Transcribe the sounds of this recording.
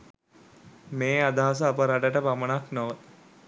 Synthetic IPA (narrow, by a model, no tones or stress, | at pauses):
meːad̪aɦas̬əːpəɾaʈəʈəpamənaknoʋə